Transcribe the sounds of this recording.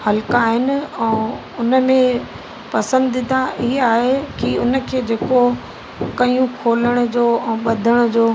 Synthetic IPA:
hɐlkaːɦɪnɪ̆ɛ̃ː | ʊnə̆mẽ | pɐsə̃nd̪ɪ̃nd̪aɪɦaːɦekiʊnə̆kʰeːd͡ʑeːko | kɐiũkʰoːləɽ̃ʊ̆d͡ʑoːɛ̃ːɓɐd̪ʱəɽ̃ʊ̆d͡ʑoː

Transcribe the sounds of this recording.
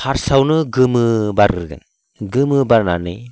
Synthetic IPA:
haɾsawnɯɡɯmɯbaɾɯɾɡɯ̰n | ɡɯmɯbaɾnanɯj

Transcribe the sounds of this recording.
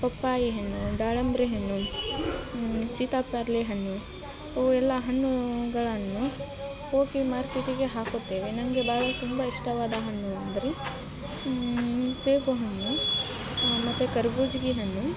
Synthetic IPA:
pɐpːaːjiɦɐnːuɖaːɭɐmbɾeɦɐnːu | siːt̪aːpːaːɾleɦɐɳːu | oɛlːɐɦɐɳːuɡɐɭɐnːu | koːkimaːɾkeʈiɡe̞ɦaːkot̪ːeːʋenɐŋɡebaːɭɐt̪umbɐiʂʈɐʋaːd̪ɐɦɐɳːuɐnd̪ɐɾe | seːpuɦɐɳːu | mɐt̪ːukɐɾbuːd͡ʒɡiɦɐnːu

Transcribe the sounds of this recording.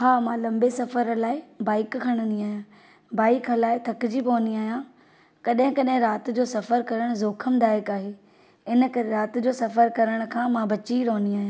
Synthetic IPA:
haːmãːlɐ̃mbesɐfəɾlaːɪbaːɪkkʰɐɽ̃ə̃nd̪iaːɦijãː | baːɪkɦlaːɪt̪ʰɐkd͡ʑipoːniaːɦijã | kɐɗɦɪ̃kɐɗɦɪ̃ɾaːt̪d͡ʑoːsɐfəɾkɐɾəɽ̃zoːkʰəmd̪aːjɪkaːɦeː | ɪnə̆kɐɾeɾaːt̪d͡ʑoːsɐfəɾkɐɾəɽ̃̆kʰãːmãbɐt͡ɕiɾoːniaːɦijã

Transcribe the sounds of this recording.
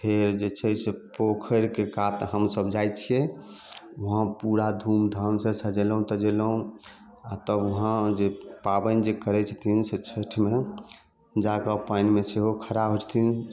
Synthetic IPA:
pʰeɾd͡ʒet͡ʃʰɛsepokʰəɾkekat̪ɦəmsəbd͡ʒajt͡ʃʰijɛ | uɦãpuɾad̪ʱumd̪ʱəmsẽsəd͡ʒeləɦũt̪əd͡ʒeləɦũ | at̪əuɦãd͡ʒepabənd͡ʒekəɾɛt͡ʃʰt̪ʰinset͡ʃʰeʈʰme | d͡ʒakəpajnmeseɦokʰəɾabɦot͡ʃʰt̪ʰin

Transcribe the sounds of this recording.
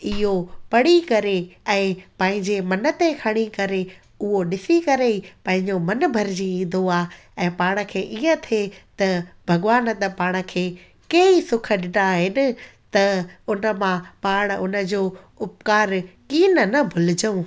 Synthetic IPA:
ɪɦopɐɽikɐɾeɛ̃ːpɐ̃ɦɪ̃ɲd͡ʑemɐnə̆t̪ekʰɐɽ̃ikɐɾe | ʊɦoɗɪsikɐɾeipɐ̃ɦɪ̃ɲd͡ʑomɐnbʱɐɾd͡ʑiĩːn̆d̪oaː | ɛ̃ːpaːɽ̃ə̆kʰeːʔiːə̃t̪ʰet̪ɐbʱɐɡʋaːnt̪ɐpaːɽ̃ə̆kʰeː | keisʊkʰə̆ɗɪɖaɦɪnɪ̆t̪ɐʊnə̆mãpaːɽ̃ʊnə̆d͡ʑoː | ʊp̚kaːɾkiːnənɐbʱʊlɪd͡ʑəũː

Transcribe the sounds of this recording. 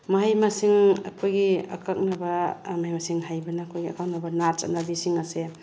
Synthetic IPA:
maɦajmasiŋɐ̰kʰojɡia̰kʰak̚nabamaɦajmasiŋɦajbɐnaːkʰojɡia̰kak̚nabɐnaɾt͡ʃa̰nabisiŋase

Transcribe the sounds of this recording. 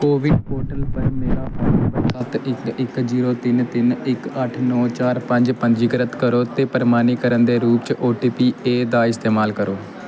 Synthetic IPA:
koːʋɪɖ̚poːʈəlpəɾmeːɾaːpaːbəsʰət̪ɪkɪkziːɾoːt̪ɪnt̪ɪnɪkəʈʰnɔːt͡ʃaːɾpə̃ɲd͡ʒpəɲd͡ʒiːɡəɾət̪kəɾoːt̪eːpəɾmaːniːkəɾənd̪eːɾuːpt͡ʃʔoːʈiːpiːeːd̪aːɪst̪eːmaːlkəɾoː

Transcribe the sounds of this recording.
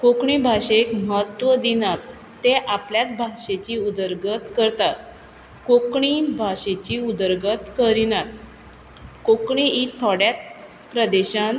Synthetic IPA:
kokɳibʱaɕekməɦət̪ʋəd̪inat̪ː | eʔapljat̪̚bʱaʂet͡ɕiud̪əɾɡət̪kəɾt̪at̪̚ | kokɳibʱaɕet͡ɕiud̪əɾɡət̪kəɾinat̪̚ | kokɳiit̪ʰːɔɽjat̪̚ | pɾəd̪eɕãn

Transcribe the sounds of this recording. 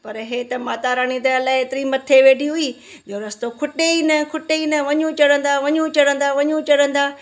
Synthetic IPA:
pɐɾɦeːt̪ɐmaːt̪aɾaːɽ̃ĩd̪ɐɐlaːɪeːt̪ɪɾimɐt̪ʰːeʋeːɖʱiɦʊiː | d͡ʑoːɾɐst̪okʰʊʈeinɐkʰʊʈeinɐʋɐɲũt͡ɕɐɽə̃n̆d̪aʋɐɲũt͡ɕɐɽə̃n̆d̪aʋɐɲũt͡ɕɐɽə̃nd̪aː

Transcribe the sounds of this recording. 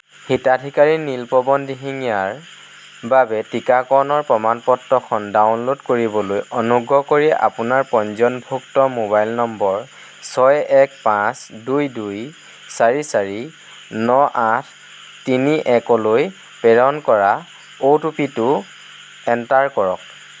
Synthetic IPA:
hitadʱikaɹinilpɔbɔndiɦiŋijaɹ | babɛtikakɔnɔɹpɹɔmanpɔtːɔkʰɔndawnlodkoɹibɔlojɔnuɡɹɔkoɹiɛʔa̰punaɹpɔnzɔnbʱuktɔmobajlnɔmbɔɹ | sɔjɛk̚pãsdujduj | saɹisaɹi | nɔʔatʰ | tiniʔɛkɔloj | pɛɹɔnkɔɹa | otupitʊ | ɛntaɹkɔɹɔk̚

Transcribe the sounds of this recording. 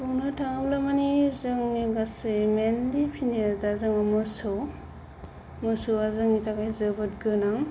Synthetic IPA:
poŋnɯtʰaŋablamanizɯŋniɡasemendipʰinidazɯŋmamɯsɯ | mɯsowazɯŋnitʰakajzɯbɯt̚ɡɯnaŋ

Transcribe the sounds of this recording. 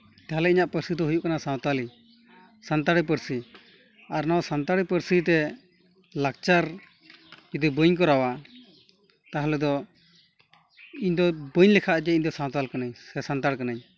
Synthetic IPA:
t̪aɦalɛiɲaʔpəɾsid̪ɔɦujuʔkanasaw̃t̪ali | sant̪aɽɛp̬əɾsi | aɾnawsant̪aɽipəɾsit̪̬ɛ | lak̚t͡ʃaɾ | d͡ʒɛd̪ibəɲk̬ɔɾawa | t̪aɦlɛd̪ɔ | iɲd̪ɔbəɲlɛkʰaʔd͡ʒɛiɲd̪ɔsãw̃t̪alkanaɲɛsant̪aɽkanaɲ

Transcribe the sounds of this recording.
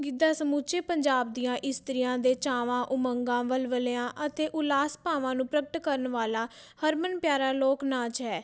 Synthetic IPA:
ɡɪd̪aːsəmuːt͡ʃeːpəɲd͡ʒaːb̚d̪ijãːʔɪst̪əɾɪjãːd̪eːt͡ʃaːʋãːʔʊməŋɡãːʋəlʋəleːãːʔət̪eːʔʊlaːspãːʋãːnũːpɾəkəʈkəɾənʋaːlaː | həɾmənpjaːɾaːloːknaːt͡ʃɦɛː

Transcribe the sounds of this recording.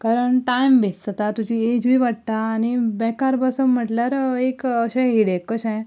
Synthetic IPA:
kaɾəɳʈajmbet͡st̪ət̪at̪ud͡ʑied͡ʑujʋaɽ̚t̪aːnibɛkaɾbəsəmm̤əʈljaɾekəɕẽɦiɽekːəɕã

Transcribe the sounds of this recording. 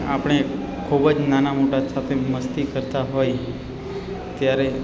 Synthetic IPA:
a̰pəɽ̃e | kʰubəd͡ʒnanamoʈasat̪ʰeməst̪ikəɾt̪aɦoj | t̪jaɾe

